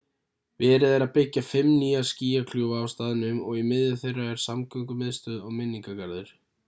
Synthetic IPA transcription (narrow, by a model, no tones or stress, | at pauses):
vɪɛɾɪðaɾaðpɪcːafɪmːniːasciːjakʰluːvaːwst̪aːðɪnʏmɔɣimɪððɪ̥θejrːaɛɾ̥samkœŋkʏmɪðst̪œðɔɣmɪnːiŋkakaɾðʏɾ̥